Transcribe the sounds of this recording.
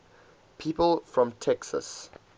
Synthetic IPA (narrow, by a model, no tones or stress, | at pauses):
pʰiːpəlˠfɹɔ̃mtʰɛksə̰s